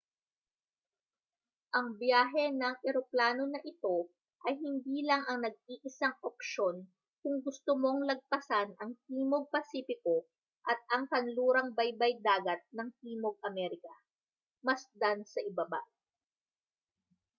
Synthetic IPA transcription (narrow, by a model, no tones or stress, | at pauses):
ʔɐŋbjaːɦɛnɐŋʔɛɾoplaːnonɐʔɪt̪o̞ | ʔɐjɦɪnd̪iːlɐŋʔɐŋnɐɡ̚iːʔɪsaŋʔop̚ʃo̞n | kʊŋɡʊst̪omo̞ŋlɐɡ̚pɐsanʔɐŋt̪iːmoɡ̚pɐsiːpɪko̞ | ʔɐt̪̚ɐŋkɐnluːɾɐŋbɐjbɐjd̪aːɡɐt̪̚nɐŋh̪iːmoɡ̚ʔɐmɛɾɪkɐ | mɐsd̪ansɐʔɪbaba